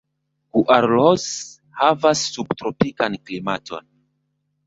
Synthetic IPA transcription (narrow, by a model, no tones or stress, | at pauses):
ɡ̥uʔaɾlos | havasːubtɾopikanklimatʰo̞̰n